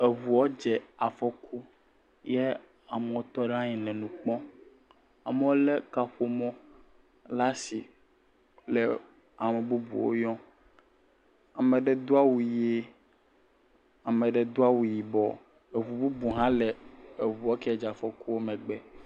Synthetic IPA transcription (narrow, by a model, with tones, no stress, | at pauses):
e˨vu˨ɔ˦d͡ʒe˨a˨fɔ˦kʰu˦ | jɛ˦ | a˨me˨wo˦t̪ɔ˦ɖã˦ɲĩ˨lɛ˨nũ˨k͡pɔ̃˦ | a̰˨me˦wo˦le˦ka˦ɸo˦mɔ̃˦ | la˦si˨ | le˨ | a˨me˨bu˦bṵ˨wo̰˦jɔ̃˦ | a˨mẽ˨ɖe˦d̪o˦a˦wu˨je˦ | a˨mẽ˨ɖe˦d̪o˦a˦wu˨ji˨bɔ˨ | e˨u˨bu˦bu˨ɦã˦le˨e˨βu˨ɔ˦ke˦a˦d͡ʒa˨fɔ˦ku˦wo˦mɛ̃˨ɡ͡bɛ˨